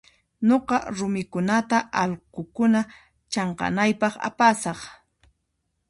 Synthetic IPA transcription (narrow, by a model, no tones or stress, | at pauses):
ɲoqɑɾʊmɪkʊnat̪aʔɑlqokʊna | t͡ʃɑɴqɑ̰najpɑχa̰pasɑχ